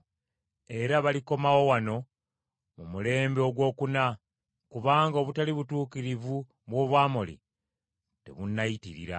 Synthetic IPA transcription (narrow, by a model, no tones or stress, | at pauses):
e̞ɾaβaliko̞mawo̞wano̞ | mumule̞ːmbeoɡwo̞ːkuna | kuβaːŋɡaoβutaliβutuːkiɾivu | βwo̞ːβwaːmolḭ | te̞̰βunːajitiɾḭɾa̰